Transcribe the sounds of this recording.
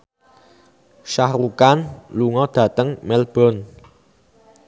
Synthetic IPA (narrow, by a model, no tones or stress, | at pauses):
ʃahɾukanluŋɔd̪̥ä̤t̪əŋmɛlb̥ɔ̤n